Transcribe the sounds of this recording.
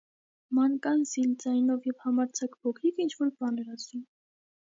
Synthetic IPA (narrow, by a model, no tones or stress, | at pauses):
mɑŋkɑnsild͡zɑjnɔvjɛvhɑmɑɾt͡sʰɑkpɔkʰɾikʰint͡ʃʰvɔɾbɑnɛɾɑsum